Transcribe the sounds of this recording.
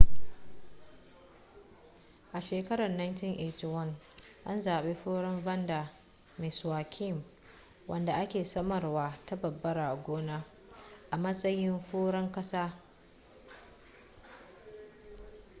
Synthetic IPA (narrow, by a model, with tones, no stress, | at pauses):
ʔa˨ʃeː˨kɐ˦ɾɐ˨nːa˦jntɪ˦nʔe˨twɐ˦n | ʔa˦nzaː˨ɓeː˦ɸoː˦ɽɐ˦mvɐ˦nda˨ | mɪ˨swaː˨kʲʰɪ˦˨m | wɐ˦nda˨ʔa˦kʲeː˨sɐ˦mɐ˨rwaː˦ta˦bɐ˨bːɐ˦ɾaː˨ɡʷoː˦naː˦ | ʔa˨mɐ˦sʼɐ˦jɪ˦mɸoː˦ɽɐ˦ŋkʼɐ˦saː˦